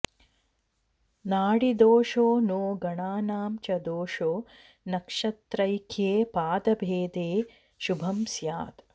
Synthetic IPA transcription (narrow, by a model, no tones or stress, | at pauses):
naːɽid̪oːʂoːnoːɡɐɳaːnaːmt͡ʃɐd̪oːʂoː | nɐkʂɐt̪ɾɐjkʰeːpaːd̪ɐbʱeːd̪eː | ʃubʱɐmsjaːt̪